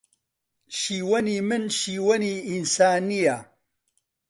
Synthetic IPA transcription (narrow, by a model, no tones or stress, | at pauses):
ʃiːwɐniːmɨnʃiːwɐniːinsaːnija